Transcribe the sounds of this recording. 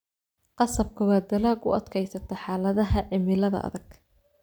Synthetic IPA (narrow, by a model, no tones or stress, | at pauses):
qɑsɐb̚kʰɐwɑːd̪ɐlaːɡʊ̰ɐd̪kʰɛjsɐt̪ʰɐħɑːlɐðɐɦɐʕɪmɪlɐðɐ̰ʔɐ̰ðɐɡ̥